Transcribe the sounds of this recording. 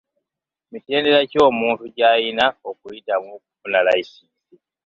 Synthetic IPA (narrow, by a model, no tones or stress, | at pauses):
mite̞ːnde̞ɾaco̞ːmuːntuɟaːjinaokujitamuk̚ufunalaisiːsi